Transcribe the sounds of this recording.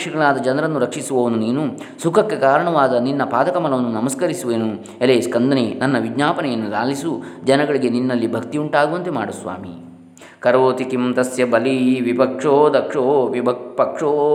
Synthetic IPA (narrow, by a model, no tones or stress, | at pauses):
ʂɐɡɐɭaːd̪ɐd͡ʒɐnɐɾɐnːuɾɐkʂisuʋɐʋɐnuniːnusukʰɐkːe̞kaːɾɐɳɐʋaːd̪ɐninːɐpaːd̪ɐkɐmɐlɐʋɐnːunɐmɐskɐɾisuʋeːnu | eleːskɐnd̪ʱɐnenɐnːɐʋiɡɲaːpɐnɛjɐnːula̰ːlisud͡ʒɐnɐɡɐɭiɡe̞ninːɐlːibʱɐkt̪iuɳʈaːɡuʋɐnt̪e̞maːɽusʋa̰ːmḭ | kɐɾʋoːt̪ikimt̪ɐsjɐbɐliʋipɐkʂoːd̪ɐkʂoːʋiɐpɐkʂoː